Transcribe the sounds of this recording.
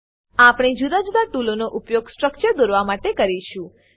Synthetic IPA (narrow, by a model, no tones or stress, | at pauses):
apɽ̃id͡ʒud̪ad͡ʒud̪aʈulonoʔupjoɡsʈɾək̚t͡ʃəɾd̪oɾʋamaʈekəɾiʃũ